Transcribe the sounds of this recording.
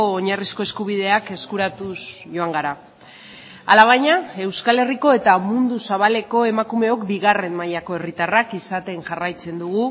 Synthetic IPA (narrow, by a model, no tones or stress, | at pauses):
oːɲarisko̞e̞skuβ̞ið̞e̞ake̞skuɾat̪usʝo̞aŋɡaɾa | alaβ̞ajɲae̞wskale̞riko̞e̞t̪amund̪usaβ̞ale̞ko̞e̞makume̞o̞kbiɣare̞mmajako̞e̞rit̪arakisat̪e̞ŋʝarajt͡se̞nd̪uɣu